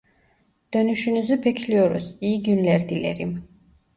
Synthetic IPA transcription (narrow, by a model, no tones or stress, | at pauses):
d̪̥ɔnuʃynuzɛpʰɛkʰliɔɾɔ̰siːɡynlɛɾd̪ilɛ̰ɾḭm